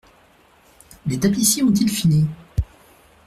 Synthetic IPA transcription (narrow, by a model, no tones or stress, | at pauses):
let̪aplisjeɔ̃t̪ilfini